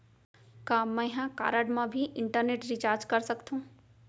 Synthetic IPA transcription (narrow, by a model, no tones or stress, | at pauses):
kãmːɛ̃ɦãka̰ːɾəɖmãbʱiʔɪɳʈəɾneːʈɾɪt͡ʃaːɾd͡ʒkɐɾsɐkt̪ʰũː